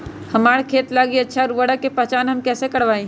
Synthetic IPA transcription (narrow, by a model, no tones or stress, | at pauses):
hɐmaːɽkʰeːt̪laːɡiɐtːʃʰaɾʋəɽəkːepɐɦt͡ʃaːnɦɐmkɛːsekɐɽʋaːĩ